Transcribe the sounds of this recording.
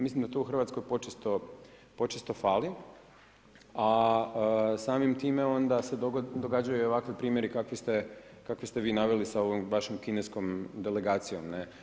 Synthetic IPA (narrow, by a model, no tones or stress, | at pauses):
mislimd̪at̪ouxɾr̩ʋat̪sko̞jpo̞t͡ʃest̪o̞ | po̞t͡ʃest̪o̞faːli | aəsaːmimt̪iːme̞o̞nd̪ase̞d̪od̪oɡad͡ʒajuoʋakʋipɾiːmjeɾikakʋist̪e̞kakʋist̪eʋiːnaʋelisaoʋomʋaʃomkinesko̞md̪ele̞ɡaːt̪sijo̞mne